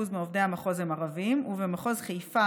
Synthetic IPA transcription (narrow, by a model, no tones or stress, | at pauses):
uzmeovdeamaχo̞zemaʁavimuvemaχo̞zχejfa